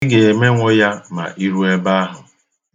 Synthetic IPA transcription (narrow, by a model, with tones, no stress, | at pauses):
ɡe˨e˨me˦ŋʷo˦ja˦ma̰˨ʔi˦ɾu˦e˦ba˦a˦ɦʊ˨